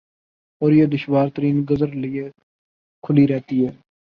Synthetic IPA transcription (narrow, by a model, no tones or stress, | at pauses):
ɔːɾjeːd̪ʊʃwaːɾt̪əɾiːnɡəzəɾlɪe | kʰʊliɾɛɦt̪iːɦɛː